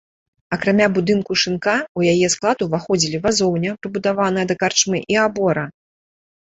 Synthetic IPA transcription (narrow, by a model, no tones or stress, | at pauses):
ɐkɾamʲabud̪ɨnkuʂɨnkaujajɛsklˠad̪uvaxɔd͡zʲilʲivazɔwnʲɐpɾɨbud̪avan̪ɐjɐd̪ɐkart͡ʂmɨʔiabɔɾɐ